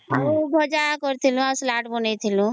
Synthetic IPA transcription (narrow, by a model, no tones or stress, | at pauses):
abʱɔd͡ʒakɔɾt̪ʰilũaslaʈbɔnajt̪ʰilũ